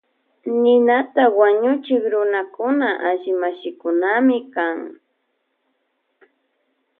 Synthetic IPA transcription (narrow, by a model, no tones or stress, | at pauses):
nɪnat̪awaɲʊt͡ʃɪkɾʊnakʊnaʔaʒɪmaʃɪkʊnamɪkaŋ